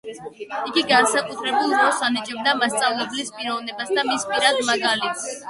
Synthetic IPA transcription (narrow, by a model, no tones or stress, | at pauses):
iɡiɡansakʼut̪ʰɾɛbulˠɾɔsanɛd͡ʒʼɛmd̪amast̪sʼavlɛblispʼiɾɔvnɛbasd̪amispʼiɾad̪maɡalit̪ʰ